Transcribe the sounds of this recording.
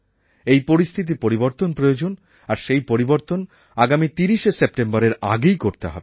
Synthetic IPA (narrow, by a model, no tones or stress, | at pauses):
ejpoɾist̪ʰit̪̬ipoɾiboɾt̪onpɾojod͡ʑon | aɾʃejpoɾiboɾt̪on | aɡamit̪iɾiʃesep̚ʈembaɾeɾa̰ɡejkoɾt̪eɦɔbe